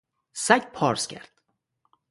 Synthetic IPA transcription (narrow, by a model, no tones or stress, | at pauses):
sæɡpʰɒːɾscʲʰæ̰ɾd̪̥